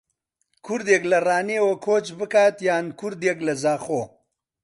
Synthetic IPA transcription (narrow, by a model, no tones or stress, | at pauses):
kʰuɾd̪jeɡlɐɾaːnewokʰoːt͡ʃbɨkaːt̪jaːnkuɾd̪eɡlɐzaːχoː